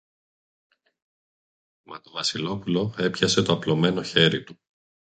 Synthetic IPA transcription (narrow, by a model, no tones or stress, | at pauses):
mɐt̪o̞vɐsilo̞pulo̞e̞pçɐse̞t̪o̞ɐplo̞me̞no̞çe̞ɾit̪u